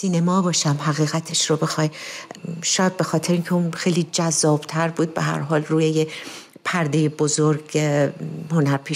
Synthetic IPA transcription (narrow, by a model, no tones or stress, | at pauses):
siːnemɒːbɒːʃæmɦæɣiːɣæt̪ʰe̞ʃɾobexɒːj | ʃɒːjæd̪̚be̞xɒːt̪ʰeɾeiːncʰeunxe̞jliːd͡ʒæzːɒːb̥t̪ʰæɾbuːd̪̚beɦæ̰ɾɦɒːlruːjeje | pʰæɾd̪ejebozoɾɡ | honæɾpʰiː